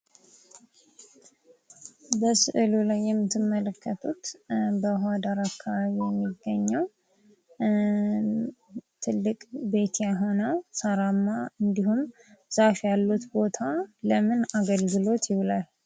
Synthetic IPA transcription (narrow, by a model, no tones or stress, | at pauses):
bəsɨ̰ʔɨlulajːɛmːɨt̪ʰːɨmːələkːət̪ʰut̪bəɦad̪aɾakːaβaβijɛmːiɡːəɲːəw | t̪ʰɨlːɨkʼbe̞t̪ʰjaɦonawsaɾamːaɨnd̪ihum | z̥afjalːut̪bo̞t̪ʰaləmɨnaɡəlɡɨlo̞t̪jɪwlal